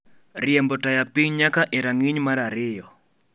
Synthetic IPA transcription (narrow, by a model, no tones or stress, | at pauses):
rɪɛmbɔtajapiɲɲakaʔeɾaŋiɲmaɾaɾɪjɔ